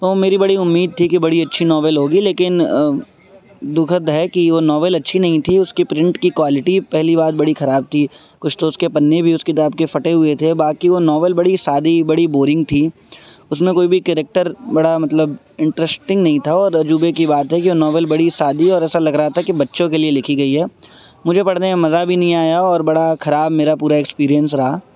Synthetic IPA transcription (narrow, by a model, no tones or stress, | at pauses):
t̪omeːɾibɐɽiʊmːiːd̪̚t̪ʰikibɐɽiɐtːʃʰinɔːʋəlɦoːɡileːkɪn | d̪ʊkʰət̪ɦɛkiʋonɔːʋəlɐtːʃʰinɐɦĩt̪ʰiʊskipɾɪ̃ɳʈkikwaːlɪʈipɛɦlibaːd̪bɐɽixɐɾaːb̚t̪ʰi | kʊt͡ʃʰt̪oʊskepɐnːebʱiʊskid̪aːb̚kefɐʈeɦʊet̪ʰebaːkiʋonɔːʋəlbɐɽisaːd̪ʱibɐɽiboːɾɪ̃ŋɡ̚t̪ʰi | ʊsmẽkoːibʱikɛɾek̚ʈəɾbɐɽamɐt̪ləb | ɪ̃ɳʈɾɛsʈɪ̃ŋɡnɐɦĩt̪ʰaɔːɾɐd͡ʒuːbekibaːt̪ɦɛkiʋonɔːʋəlbɐɽisaːd̪iɔːɾɛːsalɐɡɾaɦat̪ʰakibɐtːʃõkelielɪkʰiɡɐiɦɛː | mʊd͡ʒʱepɐɽ̤neamɐzabʱinɐɦĩaːjaɔːɾbɐɽaxɐɾaːbmeːɾapuːɾaekspiːɾijə̃ns̬ɾɐɦaː